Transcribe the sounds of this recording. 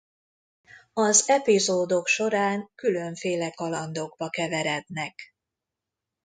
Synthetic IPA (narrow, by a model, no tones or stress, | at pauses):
ɒzɛpizoːd̪o̞kʃo̞ɾaːŋkylø̞ɱfeːlɛkɒlɒnd̪oɡbɒkɛvɛɾɛd̪nɛk